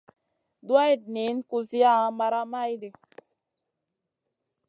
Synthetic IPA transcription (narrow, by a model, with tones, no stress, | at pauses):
dwa˦i˦˨d̚ni˨˦nku˧zi˦a˦˨a˨˦ma˧ɾa˦ma˦jde˨